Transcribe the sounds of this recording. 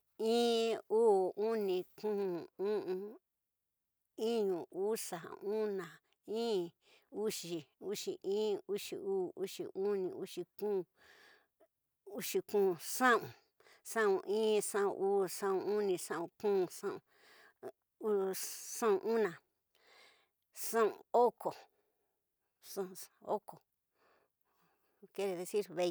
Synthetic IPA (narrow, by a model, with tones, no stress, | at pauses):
ĩː˦uː˦u˦nĩ˧kũ˦˨ũ˦ʔũ˧ | ĩ˦ɲũ˨u˦sa̰˨ũ˦nã˨ | ĩː˦ | u˦ʃi˧˨u˦ʃi˨ʔĩː˦u˦ʃḭ˨uː˦˨u˦ʃḭ˨ũ˦nĩ˧u˦ʂi˧kũ˦˨ | u˦ʃi˧kũ˦˨sã˦ũ˨ | sã˦ũ˧ʔĩː˦sã˦˧ṵ̃˧ʔuː˦ʂã˦ũ˧u˦nĩ˧ʂã˦˧ũ˧kũː˦˧ʂã˦˧ṵ̃˧ | u˧sã˦ũ˧ʔũ˦nã˨ | sã˦ṵ̃˨o˦ko˨ | sã˦˧o˦ko˨ | ke˦ɾe˧ðe˧si˦ɾβe˧i˧